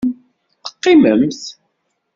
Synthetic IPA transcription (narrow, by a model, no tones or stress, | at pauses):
θə̥qːɪməmθ